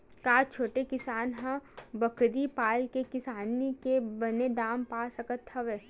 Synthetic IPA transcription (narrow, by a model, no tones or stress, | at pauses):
kaːt͡ʃʰoːʈekɪsaːnɦãbɐkɾipaːlkekɪsaːnikebɐned̪aːmpaːsɐkət̪ʰːɐʋeː